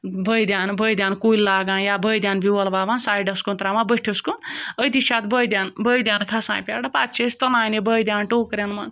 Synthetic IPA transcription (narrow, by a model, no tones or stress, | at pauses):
bəjd̪jaːnbəjd̪ʲjaːnkullaːɡãːnjabəjd̪ʲjanbiwɐlbaːbansaːjɖɐskunt̪ɾamãbəʈʰeskunəjt̪it͡ʃʰaːt̪bəjd̪jaːnbəjd̪ʲjaːnkʰasã̰ːjpʲa̰ːɽapat̪t͡ʃʰest̪onãːjnibəjd̪ʲjaːnʈoːkɾʲenma